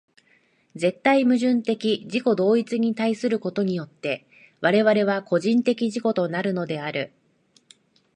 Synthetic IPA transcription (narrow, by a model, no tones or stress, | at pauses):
d͡ze̞t̪ːaimɯ̟ʑɨ̃nt̪e̞kʲiʑiko̞d̪o̞ːit͡sɨɲ̟it̪aisɨɾɯ̟ko̞t̪o̞ɲ̟ijo̞t̪ːe̞ | βaɾe̞βaɾe̞β̞ako̞ʑĩnt̪e̞kʲiʑiko̞t̪o̞naɾɯ̟no̞d̪e̞aɾɯ̟